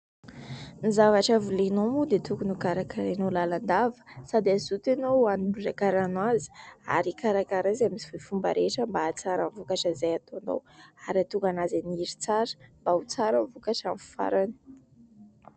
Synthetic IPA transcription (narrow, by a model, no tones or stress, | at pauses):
nizavaʈ͡ʂavulenomud̪et̪ukunukaɾakaɾanolaland̪avə̥sad̪eazut̪anowanilud͡ʒakaɾanwazi̥a̰ɾikaɾakaɾazamisi̥fufumba̰ɾʔeʈ͡ʂəmbaːt͡saɾəɱvukaʈ͡ʂazajat̪oano̰waɾat̪uŋɡanazaniiɾit͡saɾə̥mbaut͡saɾəmvukaʈ͡ʂamffa̰ɾanə̥